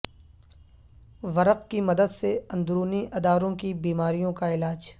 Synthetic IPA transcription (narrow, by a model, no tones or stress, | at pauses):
ʋɐɾəqkimɐd̪əd̪seɐ̃nd̪ɾuːniʔɐd̪aːɾõkibiːmaːɾijõkaɪlaːd͡ʒ